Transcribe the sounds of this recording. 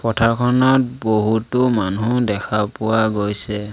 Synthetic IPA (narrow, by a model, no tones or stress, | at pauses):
pɔtʰaɹkʰɔnɔt̚boɦutʊmanudɛkʰapʊwaɡojsɛ